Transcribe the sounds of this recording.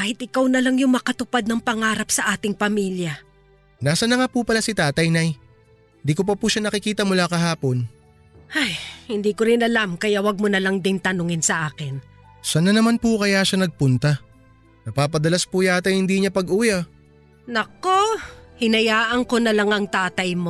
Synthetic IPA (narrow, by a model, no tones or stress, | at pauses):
kaːhɪt̪̚ʔɪkawnɐlaŋjʊŋmɐkɐt̪ʊpad̪̚nɐŋpɐŋaːɾɐpsɐʔaːt̪ɪŋpɐmiljɐ | naːsɐnɐŋapupɐlasɪt̪aːt̪ɐjnaj | nd̪iːkop̬ɐpuʃanɐkɪkiːt̪ɐmʊlakɐɦaːpo̞n | ajhɪnd̪iːkoɾɪnɐlamkɐjaʔwɐɡ̚monɐlaŋd̪ɪnt̪ɐnoŋɪnsɐʔaːkɪn | sɐnɐnɐmanpukɐjaːʃanɐɡ̚pʊnt̪ɐ | nɐpaːp̬ɐd̪ɐlaspujaːt̪ɐjhɪnd̪iːɲapɐɡʔuːjɐ | nɐkohɪnɐjaːʔɐŋkonɐlaŋɐŋt̪aːt̪ɐjmo